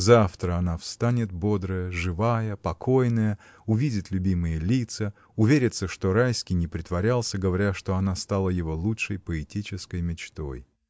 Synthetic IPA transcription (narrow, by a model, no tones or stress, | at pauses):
zaft̪ɾəɐnafst̪anʲɪt̪̚bo̞d̪ɾəjəʐɨvajəpɐkʰo̞jnəjə | ʊvʲidʲɪt̪lʲʉbʲimɨjəlʲit̪sə | ʊvʲeɾʲɪt̪səʂt̪o̞ɾajskʲɪjnʲɪpɾʲɪt̪vɐɾʲalˠsʲəɡəvɐɾʲaʂt̪o̞ɐnast̪alˠəjɪvo̞lˠutʂəjpəɪtʲit͡ɕɪskəjmʲɪt͡ɕt̪o̞̰j